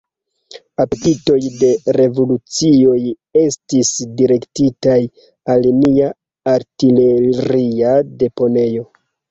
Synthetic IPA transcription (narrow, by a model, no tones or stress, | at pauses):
apetito̞jde̞ɾe̞vo̞lut͡sio̞j | e̞stisdiɾe̞ktitaj | alniaː | ɾtile̞ɾiade̞po̞ne̞jo̞